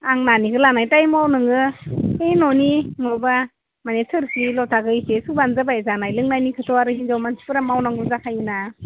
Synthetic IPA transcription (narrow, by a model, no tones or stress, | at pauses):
aŋnanikɯlanajtajmawnɯŋɯejnɔniŋɔba | manesʰɯɾsʰilɔtʰaɡɯjsesubanzabajzanajlɯŋnajnikʰɯtʰɔaɾɯɦizawmansi̥pɯɾamawnaŋɡuzakʰajuna